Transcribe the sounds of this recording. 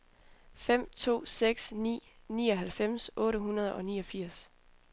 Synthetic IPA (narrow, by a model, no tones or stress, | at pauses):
fem̰t͡sʰo̝̰ːseɡ̥snḭː | niːɒ̽ɦælfem̰sʔɔ̽ːɾəɦunɐð̞ˠɒ̽niːɒ̽fiɐ̰s